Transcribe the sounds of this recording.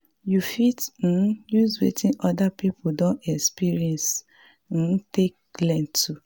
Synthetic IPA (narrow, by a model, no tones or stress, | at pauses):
jufitn̩juzwḛtĩʔɔdapipʰodɔ̃nɛkspiɾiɛ̃ns | n̩tek̚lɛ̃ntu